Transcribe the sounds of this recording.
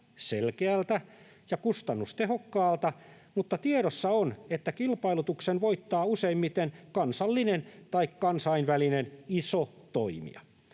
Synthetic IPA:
selkeælt̪æ | jɑkust̪ɑnːust̪ehokːɑːlt̪ɑ | mut̪ːɑt̪ieɾosːɑonet̪ːækilpɑilut̪uksenʋoit̪ːɑːuseimmit̪enkɑnsɑlːinent̪ɑikkɑnsɑinʋælineniso | t̪oimḭɑ̰

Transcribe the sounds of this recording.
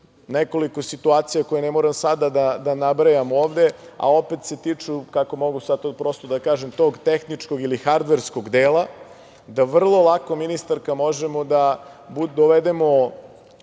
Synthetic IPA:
neko̞liko̞sit̪uaːt̪sijako̞jenemoːɾamsad̪ad̪ad̪anabɾajamoːʋd̪e̞ | a̰o̞pet̪se̞t̪it͡ʂukako̞mo̞ɡusad̪̚t̪opɾo̞ːst̪od̪akaːʒemt̪o̞ːɡt̪exnit͡ʃko̞ɡilixaɾd̪ʋeɾsko̞ɡd̪eːla | d̪aʋr̩lˠo̞lˠako̞minist̪aɾkamo̞ʒemod̪abud̪oʋed̪e̞mo̞

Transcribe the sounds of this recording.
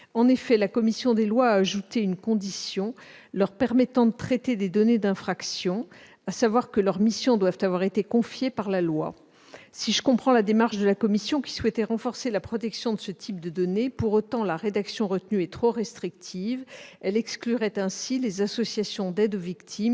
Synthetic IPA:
ɑ̃nefɛlakɔmisjɔ̃d̪elwaːʒut̪eynkɔ̃d̪isjɔ̃ | lœʁpɛʁmɛt̪ɑ̃d̪ət̪χɛt̪ed̪ed̪ɔned̪ɛ̃fχaksjɔ̃ | asavwaʁkəlœʁmisjɔ̃d̪wavt̪avwaʁet̪ekɔ̃fjepaʁlalwa̰ | siʒəkɔ̃pχɑ̃lad̪emaʁʃd̪əlakɔmisjɔ̃kʲi̥swɛt̪ɛʁɑ̃fɔʁselapχɔt̪ɛksjɔ̃d̪əsət̪ʰip̚d̪əd̪ɔnepuʁot̪ɑ̃laʁed̪aksjɔ̃ʁət̪nyɛt̪χoʁɛst̪χik̚t̪ʰivɛlɛksklyʁɛt̪ɛ̃silezasɔsjasjɔ̃d̪ɛd̪ovikt̪ʰim

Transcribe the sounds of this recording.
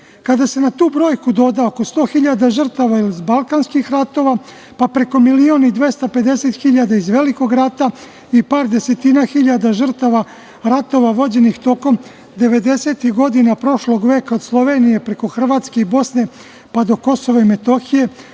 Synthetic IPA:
kad̪ase̞nat̪uːbɾo̞ːjkud̪o̞d̪aoko̞st̪o̞ːxiʎad̪aʒr̩t̪aʋailizbalˠkaːnskixɾat̪o̞ːʋa | papɾe̞ko̞milio̞nid̪ʋe̞st̪aped̪e̞set̪xiʎad̪aizʋe̞liko̞ɡɾat̪a | ipaːɾd̪e̞se̞t̪inaxiʎad̪aʒr̩t̪aʋa | ɾat̪o̞ʋaʋo̞d͡ʑe̞nixt̪o̞ko̞m | d̪e̞ʋe̞d̪e̞se̞t̪ixɡo̞d̪inapɾo̞ʃlo̞ɡʋe̞ːkao̞d̪slˠo̞ʋe̞ːnije̞pɾe̞ko̞xr̩ʋaːt̪ske̞ibo̞sne̞ | pad̪o̞ko̞so̞ʋaime̞t̪o̞xije̞

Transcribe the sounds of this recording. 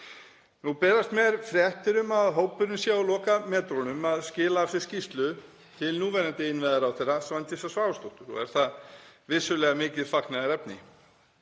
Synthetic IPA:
nupɛːɾast̪mɛɾfɾjɛht̪ɪɾʏmaðɦoːwpʏɾnʏnsjaːwlɔːkamɛːt̪ɾonʏmaðscɪːlaːfsɪ̥scist̪lʏ | t̪ʰɪlnuːvɛɾant̪ɪɪnvɛðaɾawθejrasvant̪jɪsasvaːvʏst̪owht̪ʏɾɔ̰ɛ̰ɾ̥θaðvɪsʏlɛːɣamɪːcɪðfaknaðɪɾɛpnɪ

